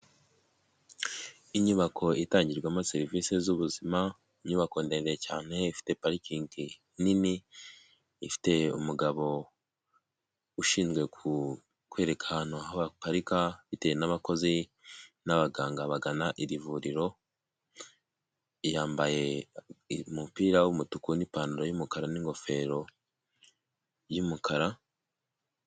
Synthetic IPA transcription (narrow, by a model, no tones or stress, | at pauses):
iɲuβakʰo̞itaːɲɟiɾɡwamaseɾivisezuβuzima | iɲuβako̞ndendejecaːne̞ifi̥te̞paɾikiŋki | niniː | fi̥te̞umuɡaβo̞ | uʃiːnzɡwe̞ku | kwe̞ɾe̞kʰaanahaβapaɾikaβite̞ːjenaβako̞zinaβaɡaːŋɡaβaɡanaʔiɾivuɾiɾo̞ | jaːmbaje̞ | mupiːɾawumutukunipaːnuɾojumukaɾaniŋɡo̞fe̞ːɾo̞ | jumukaɾa